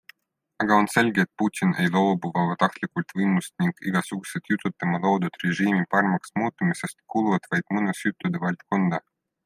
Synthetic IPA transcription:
ɑɡ̥ɑo̞nse̞lʲɡeet̪̚put̪ʲinejlo̞wbuvɑvɑt̪ɑxt̪lʲikult̪vɯjmust̪niŋɡ̥iɡ̥ɑsuɡ̥uset̪jut̪ˑːut̪ːˑɑmɑlowd̪ut̪reʒiːmipɑrmɑksmuːt̪ˑːumise̞st̪̚kuluvɑt̪vɑjd̪̥mɨnusjut̪ːˑud̪evɑlʲt̪kond̪ɑ

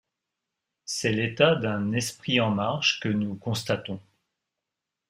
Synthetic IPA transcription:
sɛlet̪ad̪ɛ̃nɛspχiɑ̃maʁʃkənukɔ̃st̪at̪ɔ̃

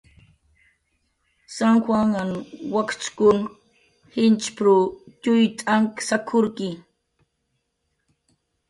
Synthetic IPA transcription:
saŋxwaŋanwakt͡ʃkʊŋ | hɪnt͡ʃpɾʊtʊjt̪ʼaŋksakʰʊɾkɪ

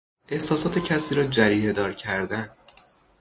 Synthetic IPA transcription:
ʔe̞hsɒːsɒːt̪ʰe̞cʰæsiːɾɒːd͡ʒæɾiːɦed̪ɒːɾcʰæɾd̪æn

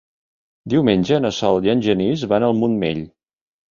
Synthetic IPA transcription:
d̪iwmenʲʒəːnəsɔlˠiənʲʒənizβanəlˠmunmḛʎ

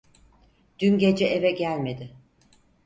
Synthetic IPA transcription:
d̪̥ynɟe̞d͡ʒɛʔevɛɟælʲme̞d̪ɪ

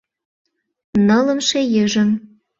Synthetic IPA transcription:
nɤlə̆mʃejəʒə̆m

